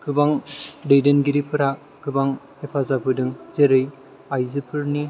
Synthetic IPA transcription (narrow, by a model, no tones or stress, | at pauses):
ɡɯbaŋdejdenɡiɾipʰɯɾa | ɡɯbaŋ | epʰazabɯdɯŋzeɾɯj | ajzɯpʰɯɾni